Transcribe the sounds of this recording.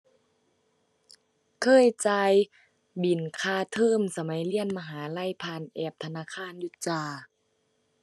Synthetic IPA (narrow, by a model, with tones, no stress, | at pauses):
kʰɤː˧˥˨jt͡ɕaː˧j | bi˨˩nkʰaː˧˩t̪ʰɤː˧˥˩msa˧ma˨˦jli˧˥˩ənma˧ɦaː˩˦la˧˥˨jpʰaː˧˩˨nʔɛː˧˩p̚t̪ʰa˧naː˧˥˨kʰaː˧˥˨nju˧˦t͡ɕaː˧˩